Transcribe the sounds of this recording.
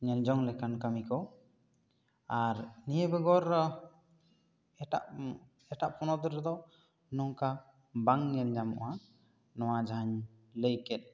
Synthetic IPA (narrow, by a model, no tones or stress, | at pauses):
ɲɛnd͡ʒɔŋlɛkankamikɔ | aɾnijəbɛɡɔɾ | ɛʈa̰ʔ | ɛʈaʔpʰɔnɔd̪ɔɾɛd̪ɔ | nɔŋka | baŋɲɛnd͡ʒamɔ̰ʔa | nɔwad͡ʒaaɲ | ləjkɛt̪̚